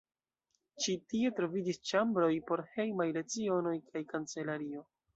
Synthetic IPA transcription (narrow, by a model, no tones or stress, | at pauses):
t͡ʃitie̞tɾo̞vid͡ʒist͡ʃambɾo̞jpo̞ɾhe̞jmajle̞t͡sio̞no̞jkʰajkant͡se̞laɾio̞